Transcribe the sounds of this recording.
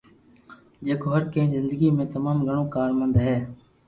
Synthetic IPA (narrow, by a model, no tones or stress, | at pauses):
d͡ʒeːkoːɦəɾkẽːzɪnd̪əɡiːmẽːt̪əmaːmɡʱəɳoːkaːɾmənd̪ɦɛː